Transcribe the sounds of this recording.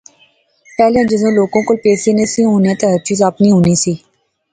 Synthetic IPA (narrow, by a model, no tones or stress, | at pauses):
pɛːljãːd͡ʒɪzõːloːɡõːkolpeːseːnẽːsĩɦõːnẽːt̪eɦəɾt͡ʃiːzaːpnĩɦoːniːseː